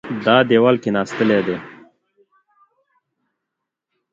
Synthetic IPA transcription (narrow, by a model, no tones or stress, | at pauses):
d̪ɑːd̪ewalkenɑːst̪əled̪e